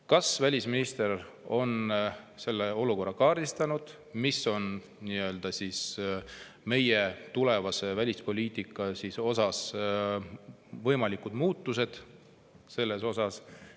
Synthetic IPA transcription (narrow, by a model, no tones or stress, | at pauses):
kɑsvælʲisminist̪e̞r | o̞n | se̞lːe̞o̞luko̞rːɑkɑːɾist̪ɑnud̪̥ | miso̞n | niø̞ːld̪̥ɑsis | me̞je̞t̪ule̞vɑse̞vælʲispo̞lʲiːt̪ˑikːˑɑsiso̞sɑs | vɤjmɑlikud̪̥muːt̪ːˑus̬e̞d̪̥ | se̞lːe̞so̞sɑs